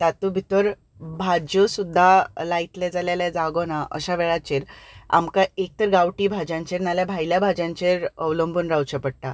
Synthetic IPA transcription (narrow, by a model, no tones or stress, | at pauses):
t̪at̪ubʱit̪əɾ | bʱad͡ʑəsud̪ʱːalait̪lɛd͡zaljalad͡zaɡɔnaʔə̰ɕaʋɛɭat͡ɕeɾa̰mkaek̚t̪əɾɡawʈiːbʱad͡ʑãɲt͡ɕeɾnaljabʱajljabʱad͡ʑãɲt͡ɕeɾəʋləmbʱuːnɾawt͡ɕəpəɽʈa